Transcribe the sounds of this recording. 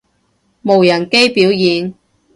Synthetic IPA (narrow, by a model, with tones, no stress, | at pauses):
mo˨˩wjɐ˨˩nke˥jpiː˨˥wjiː˨˧n